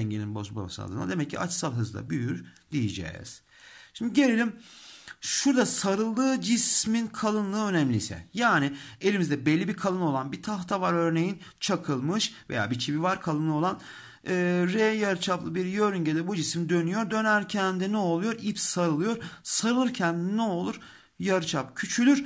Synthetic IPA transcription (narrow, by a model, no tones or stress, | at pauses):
ɛɲɟeninbo̞zba̰ba̰sn̰a̰d̪ɯ̰na̰d̪e̞mɛcʰːḭa̰t͡ʃsalˠɦɯzd̪ˠa̰byjyɾd̪ijed͡ʒɛ̰ːz̥ | ʃimd̪iɟe̞lʲelʲim | ʃuɾd̪asaɾɯlˠːɯːd͡ʒisminkʰalˠɯnlˠɯːø̞nɛmlʲisɛ̰jaːnie̞lʲimizd̪ɛbelʲːibikʰalˠɯno̞lˠanbit̪ʰaht̪ʰavaɾø̞ɾne̞jin | t͡ʃʰakʰɯlˠmɯʃve̞̰ja̰ːbit͡ʃʰibivaɾkʰalˠɯno̞lˠan | ɯːɾɛjaɾɯt͡ʃʰaplˠɯbiɾjøɾyɲɟed̪ɛbud͡ʒisimd̪ø̞nyjo̞ɾd̪ø̞næɾcʰɛnd̪inɛo̞lˠujo̞ɾipsːaɾɯlˠɯjo̞ɾsaɾɯlˠɯɾcʰænd̪ːnɛo̞lˠuɾ | jaɾɯt͡ʃʰap̚cʰyt͡ʃʰylʲyɾ